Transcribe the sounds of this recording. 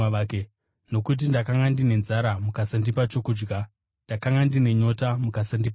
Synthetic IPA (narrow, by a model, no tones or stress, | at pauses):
ke | no̞kut̬indakaŋɡandine̞nzaɾamukasandipat͡ʃo̞kuːd͡ʒɡa | ndakaŋɡandine̞ɲo̞tamukasandipa